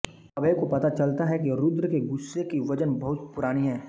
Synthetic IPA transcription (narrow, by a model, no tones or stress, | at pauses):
ɐbəjkopɐt̪at͡ʃɐlt̪aɦɛkiɾʊd̪ɾkeɡʊsːekiʋɐd͡ʒənbɐɦʊt̪̚pʊɾaːñiɦɛː